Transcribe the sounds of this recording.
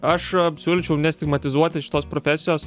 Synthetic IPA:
ɐʃsʲuːlʲɪt͡ʃʲɛʊnʲɛsʲt̪ʲɪɡmɐt̪ʲɪzuɔt̪ʲɪʃʲɪ̥t̪oːspɾoːfʲæːsʲɪjoːs

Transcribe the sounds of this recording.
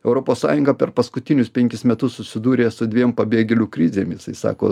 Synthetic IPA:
ɛʊɾopoːssɑ̰ːjʊŋɡɐpʲɛɾpɐskʊt̪ʲɪnʲʊspʲɛŋʲkʲɪsmʲɛt̪ʊssʊsʲɪd̪uːɾʲeːsʊd̪ʲʋʲimpɐbʲeːɡʲelʲukɾʲɪzʲeːmjɪsɐɪsɑ̰ːko̰ː

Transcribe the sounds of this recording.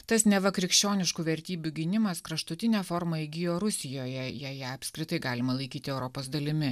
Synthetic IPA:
t̪ɐsnʲɛʋɐkɾʲɪkʃʲt͡ʃʲoːnʲɪʃkuːʋʲɛɾʲt̪ʲiːbʲuɡʲɪnʲɪmɐskɾɐʃt̪ʊt̪ʲɪnʲɛːfoːɾmɐɪɡʲɪjoːɾʊsʲɪjoːjɛjɛjɛɐpʲsʲkɾʲɪt̪ɐɪɡɑːlʲɪmɐlˠɐɪkʲiːt̪ʲɪɛʊɾɔpoːsd̪ɐlʲɪmʲɪ

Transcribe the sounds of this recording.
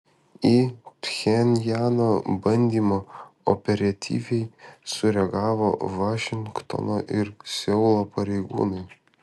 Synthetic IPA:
it̪ʲxʲɛnʲjæːnoːbɐnʲd̪ʲiːmoːɔ̰pʲɛɾʲɐt̪ʲḭːʋʲɛɪsʊɾʲɛɡɑːʋo̰ːʋɑːʃʲɪŋkt̪o̰noːʔɪɾsʲɛʊlˠoːpɐɾʲɛɪɡṵːnɐɪ

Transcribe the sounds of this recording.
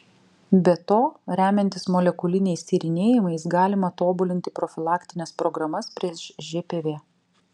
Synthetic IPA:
bʲɛt̪oːɾʲæːmʲɛnʲt̪ʲɪsmɔlʲɛkʊlʲɪnʲɛɪsʲt̪ʲiːɾʲɪnʲeːjɪmɐɪsɡɑːlʲɪmɐt̪oːbʊlʲɪnʲt̪ʲɪpɾɔfʲɪlˠɑːkʲt̪ʲɪnʲɛspɾɔɡɾɐmɐspʲɾʲiɛsʒʲeːpʲeʋʲeː

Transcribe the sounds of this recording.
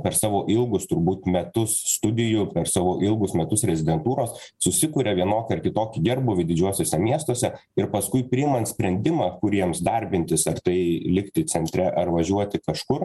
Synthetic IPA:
pʲɛɾsɑːʋoːʔɪlˠɡʊst̪ʊɾbuːt̪mʲɛt̪ʊsst̪ʊd̪ʲɪjʊpʲɛrsɑːʋoːʔɪlˠɡʊsmʲɛt̪ʊsɾʲɛzʲɪd̪ʲɛnt̪uːɾoːssʊsʲɪkʊːɾʲɛʋʲiɛnoːkʲɐrkʲɪt̪oːkʲɪɡʲɛrbʊʋʲɪd̪ʲɪd͡ʒʲuɔsʲoːsʲɛmʲiɛst̪oːsʲɛ | ɪɾpɐskʊɪpʲɾʲɪːɪmɐnt̪sʲpʲɾʲɛnʲd̪ʲɪmɑːkʊɾʲiɛmsd̪ɐɾʲbʲɪnʲt̪ʲɪsɐrt̪ɐɪlʲɪkt̪ʲɪt̪sʲɛnʲt̪ʲɾʲɛʔɐrʋɐʒʲuɔt̪ʲɪkɐʃkʊr

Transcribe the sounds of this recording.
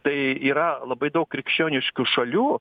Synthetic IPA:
t̪ɐɪiːɾɐlˠɐbɐɪd̪ɐʊkkɾʲɪkʃʲt͡ʃʲoːnʲɪʃʲkʲʊʃɐlʲuː

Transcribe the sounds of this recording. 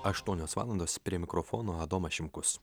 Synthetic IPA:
ɐʃt̪uɔnʲoːsʋɑ̰lˠɐnd̪oːspʲɾʲiɛmʲɪkɾɔfɔːnoːɐd̪oːmɐʃʲɪmkʊs

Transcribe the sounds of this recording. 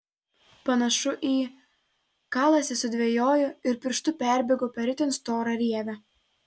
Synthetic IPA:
pɐnɐʃʊʔiː | kɑːlˠɐsʲɛsʊd̪ʲʋʲejoːjʊɪɾpʲɪɾʃt̪ʊpʲæˑɾʲbʲɛɡoːpʲɛɾʲɪt̪ʲɪnst̪oːɾɐɾʲiɛʋʲɛ

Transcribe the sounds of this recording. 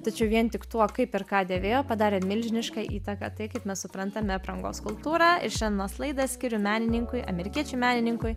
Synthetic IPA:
t̪ɐt͡ʃʲɛʊʋʲiɛnt̪ʲɪkt̪uɔkɐɪpɪɾkɑːd̪ʲeːʋʲeːjoːpɐd̪ɑːɾʲeːmʲɪlʲʒʲɪnʲɪʃkɑːʔiːt̪ɐkɑ̰t̪ɐɪkɐɪpmʲɛssʊpɾɐnt̪ɐmʲɛɐpɾɐŋɡo̰ːskʊlˠt̪uːɾɑɪɾʃʲɛnnoːslˠɐɪd̪ɐssʲkʲɪɾʲʊmʲæːnʲɪnʲɪŋkʊjɐ̰mʲɛɾʲɪkʲiɛt͡ʃʲʊɪmʲæːnʲɪnʲɪŋkʊj

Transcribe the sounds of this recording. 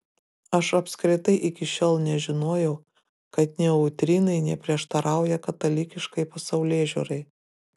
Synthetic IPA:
ɐʃɐpʲskɾʲɪt̪ɐɪʔɪkʲɪʃʲoːlˠnʲɛʒʲɪnoːjɛʊ | kɐt̪nʲɛʊt̪ʲɾʲɪnɐɪnʲɛpʲɾʲiɛʃt̪ɐɾʔɑˑʊjɛkɐt̪ɐlʲɪkʲɪʃkɐɪpɐsɐʊlʲeːʒʲṵɾɐɪ

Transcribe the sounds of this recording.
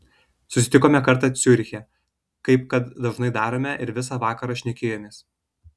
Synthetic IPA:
sʊsʲɪt̪ʲɪkoːmʲɛkɐɾˑt̪ɑːt̪sʲʊɾʲxʲɛ | kɐɪp̚kɐt̪d̪ɐʒnɐɪd̪ɑːɾoːmʲɛʔɪɾʋʲɪs̬ɑːʋɑːkɐɾɑːʃʲnʲɛkʲeːjoːmʲeːs

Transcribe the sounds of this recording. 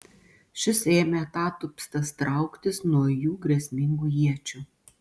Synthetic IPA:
ʃʲɪseːmʲet̪ɑːt̪ʊpʲst̪ɐst̪ɾɐˑʊkt̪ʲɪsnuɔjuːɡɾʲɛsʲmʲɪŋɡuːjiɛt͡ʃʲuː

